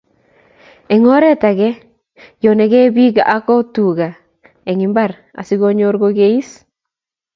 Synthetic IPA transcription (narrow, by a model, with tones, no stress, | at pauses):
e˨ŋɔ˦ɾɛ˦ta˨ɡɛ˦ | jo˨nɛ˨ɡɛ˦bi˦ɡa̰˨ʔa˦kɔ˦tu˨ɡa˨ | e˨ŋi˨mba˦˨ɾ | a̰˨si˦ɡo˦ɲo˦ɾɡo˦ɡe˦i˦s